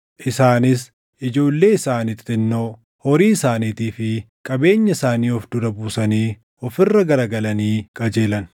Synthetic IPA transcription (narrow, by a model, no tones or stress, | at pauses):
ʔɪsaːnɪs̬ | ʔɪd͡ʒo̞ːlːe̞ːɪsaːnɪt̪ʼɪnːoː | hɔɾiːsaːniːt̪iːfɪ | kʼɐbe̞ːɲːɐsaːniːɔfd̪ʊɾɐbuːsɐniː | ɔfɪrːɐɡɐɾɐɡɐlɐniːkʼɐd͡ʒeːlɐn